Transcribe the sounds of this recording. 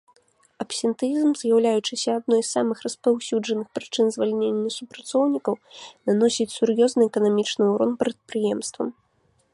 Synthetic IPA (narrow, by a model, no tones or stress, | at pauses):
ɐpsʲɛnt̪jizmzʲjawlʲajut͡ʂɨsʲɐːd̪̚nɔjssamɨxrɐspawsʲud͡ʐɐnɨxpɾɨt͡ʂɨnzvalʲnʲenʲːɐsupɾat̪sɔwnʲikɐwnanɔsʲit͡sʲsuɾjɔznɨɛkɐnamʲit͡ʂnɨuɾɔnpɾɐt̪̚pɾɨjɛmst̪vɐ̰m